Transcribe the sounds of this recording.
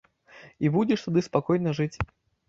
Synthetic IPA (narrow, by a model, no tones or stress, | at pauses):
ibudʲɪʂt̪ad̪ɨspakɔjnɐʐɨt͡sʲ